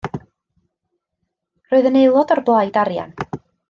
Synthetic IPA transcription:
roːɨðənejlˠɔdɔrblˠajdaɾja̰n

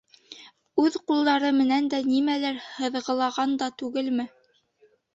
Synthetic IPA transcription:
ʉðqulˠd̪ɑɾɤmɘ̆nænd̪ænimælæɾhɤ̆ðʁɤ̆lˠɑʁɑnd̪ɑt̪ʉɡɘlmɘ

